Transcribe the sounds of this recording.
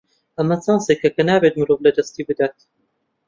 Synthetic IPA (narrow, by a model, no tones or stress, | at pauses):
ʔɐmɐt͡sɑːnseːkʰɐkɐnaːbeːt̪̚mɨɾoːvlɐd̪ɐst̪iːbɨd̪aːt̪̚